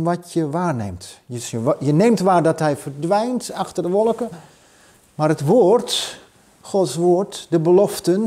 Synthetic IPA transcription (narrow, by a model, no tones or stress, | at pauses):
ʋɔtjəʋaːrnḛmtjəəjəneːmtʋaːrdɔtɦɛjfərdʋɛjntaxtərdəʋɔlˠkə | maːrətʋoːrt | χɔtsʋoːrtdəbəlɔftən